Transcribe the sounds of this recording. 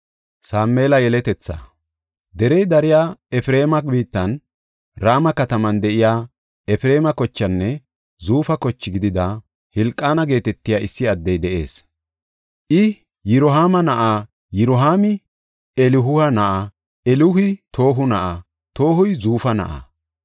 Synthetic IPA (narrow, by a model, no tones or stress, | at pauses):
saːmːe̞ːlɐjɛlɛt̪ɛt͡sːa̰ | d̪ɛɾɛjd̪ɐɾɪjaːɛfɪɾe̞ːmɐbiːt̪ːɐn | ɾaːmɐkɐt̪ɐmɐnd̪ɛʔɪjaː | ɛfɪɾe̞ːmɐkɔt͡ʃːɐnːɛ | zuːfɐkɔt͡ʃːɪɡɪd̪ɪd̪ɐ | hɪlkʼːaːnɐɡe̞ːt̪ɛt̪ːɪjaːɪsːɪɐd̪ːɛjd̪ɛʔe̞ːs | ʔɪ | jɪɾɔɦaːmɐnɐʔaː | jɪɾɔɦaːmɪ | ɛlɪɦʊhɐnɐʔa | ɛlʊhɪt̪ʰo̞ːɦʊnɐʔa | t̪o̞ːɦʊjzuːfɐnɐ̰ʔa̰ː